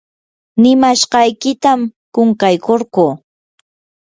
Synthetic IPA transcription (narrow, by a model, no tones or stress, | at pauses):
nɪmaʃɢɑjkɪt̪amkʊŋkajkoɾɢuː